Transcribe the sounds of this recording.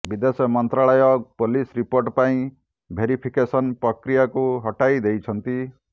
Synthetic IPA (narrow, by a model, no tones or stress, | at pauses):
bid̪esjɔmɔnt̪ɾaɭɔjɔk̚polisɾipoɾʈpaĩ | bʱeɾipʰikesʌnpɾʌkɾijakuɦʌʈajd̪ejt͡ʃʰʌnt̪i